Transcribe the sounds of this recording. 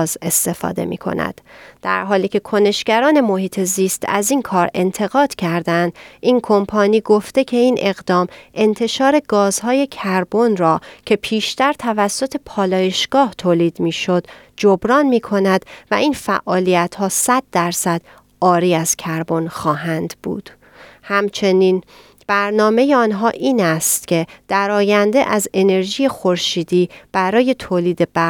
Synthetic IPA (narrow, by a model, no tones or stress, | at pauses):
ze̞st̪e̞fɒ̰ːd̪e̞̰mḭːkʰo̞̰næ̰d̪̥d̪̥æ̰ɾɦɒːliːcʰe̞kʰo̞ne̞ʃɡæɾɒːne̞mo̞hiːt̪ʰe̞ziːst̪ʰæ̰ziːnkʰɒːɾe̞nt̪ʰe̞ɣɒːd̪̥cʰæɾd̪ænd̪ʔiːnkʰo̞mpʰɒːniːɡo̞ft̪e̞cʰe̞iːnʔe̞ɣd̪ɒːmʔe̞nt̪ʰe̞ʃɒːɾe̞ɡɒːzhɒːje̞cʰæɾbonɾɒːcʰe̞pʰiːʃt̪æɾt̪ʰævæsːo̞t̪ʰe̞pʰɒːlɒːje̞ʃɡ̥ɒːht̪ʰoːliːd̪̥miːʃo̞d̪̥ | d͡ʒobɾɒːnmiːkʰo̞næd̪̥væiːnfæ̰ʔɒːlijæt̪hɒːsæd̪̚ːæɾsæd̪̥ | ʔɒːɾiːæz̥cʰæɾbo̞nxɒːɦænd̪b̥ṵːd̪̥ | hæmt͡ʃʰe̞niːn | b̥æɾnɒːme̞jeɒːnɦɒːʔiːnæst̪cʰe̞d̪̥æɾɒːjænd̪eʔæze̞ne̞ɾʒije̞xo̞ɾʃiːd̪iːb̥æɾɒːje̞t̪ʰoːliːd̪e̞bæ